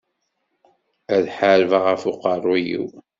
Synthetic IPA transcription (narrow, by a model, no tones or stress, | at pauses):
æðħaɾvaʁæfʊqɑrˤːujḭw